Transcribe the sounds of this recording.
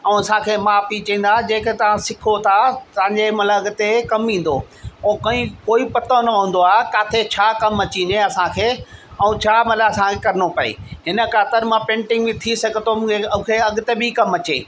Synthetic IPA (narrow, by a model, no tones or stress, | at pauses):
ɛ̃ũɐsãkʰeːmaːfit͡ɕĩːn̆d̪ad͡ʑẽːket̪ɐʋ̤ãsɪkʰot̪ʰat̪ɐãːɲd͡ʑemɐt̪ləbɐɡʊt̪ekɐmĩːn̆d̪oː | ɛ̃kɐĩkoːipɐt̪õnɐɦũːn̆d̪oaːɦekaːt̪ʰet͡ɕʰaːkɐmɐt͡ɕĩːneɐsãkʰeːɛũt͡ɕʰaːmɐt̪ləbɐsãkʰekɐɾɪnopɐḛːɦɪnə̆kaːt̪ɪɾmãpẽːɳʈɪ̃ŋɡbɪ̃t̪ʰisɐɡʱət̪omʊ̃kʰeɐ̃kʰeɐɠʊt̪ebʱikɐmɐt͡ɕḛː